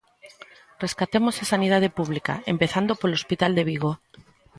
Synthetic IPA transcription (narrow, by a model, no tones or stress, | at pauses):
re̞skat̪e̞mosesanið̞aðepuβ̞lika̰e̞mpe̞θand̪o̞poɾelospit̪ald̪e̞βiɣ̞o̞